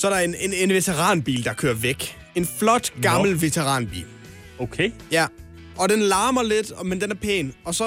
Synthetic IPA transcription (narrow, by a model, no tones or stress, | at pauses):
sɒdenene̝nʋe̝t͡sʰeʁɑ̰̈ːnb̥ḭːld̥ɑ̈kʰø̰ːɐʋeɡ̥ | e̝nflɒ̽d̥ɡ̥ɑ̈ml̩ʋe̝t͡sʰeʁɑ̰̈ːnb̥ḭːl | okʰejæ | ʔɒ̽d̥enlɑ̈ːmɐle̝d̥ɒmend̥enæɐpʰḛːnɒ̽sɒ